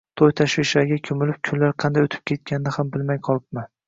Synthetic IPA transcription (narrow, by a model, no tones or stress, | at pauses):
t̪ʰojt̪ʰaʃvɪʃlaɾɡʲakʲʰɵmɪlɪp̚kʲʰʊnlaɾqʰɑnd̪ajot̪ʰɪ̥p̚kʲʰe̞t̪̚kʲʰanɪnɪhambɪlmajqʰɒlˠɪp̚man